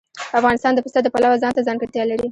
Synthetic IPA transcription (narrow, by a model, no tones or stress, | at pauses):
afɣɑnɪst̪ɑnd̪əpɪst̪ad̪əpalawazɑnt̪azɑŋɡaɽt̪jɑlaɾi